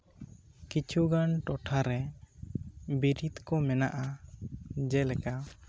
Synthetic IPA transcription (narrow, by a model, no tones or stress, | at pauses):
kit͡ʃʰuɡanʈɔʈʰaɾɛ | biɾit̪kɔmɛnaʔa | d͡ʒɛlɛka